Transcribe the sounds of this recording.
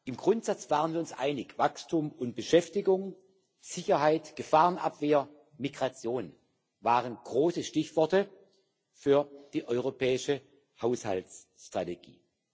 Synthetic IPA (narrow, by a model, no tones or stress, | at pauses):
ʔɪmɡʁʊntz̥at͡sv̥aːʁənviːʊnsʔa̰ɪnɪçv̥akstʰumʊnt̚b̥əʃɛftɪɡʊŋ | z̥ɪçɐɦaɪtɡ̥əfaːʁənʔa̰pv̥eːɐ | miɡʁat͡sjoːn | vaːʁənɡ̥ʁoːsəʃtɪçv̥ɔɐtə | fyːɐd̥iːʔɔʏʁopʰɛːɪʃə | haʊsha̰lts | ʃtʁ̥ateɡḭː